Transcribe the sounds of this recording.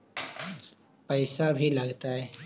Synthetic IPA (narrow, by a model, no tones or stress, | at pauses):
pəɪsabʱilɐɡt̪aɦɛː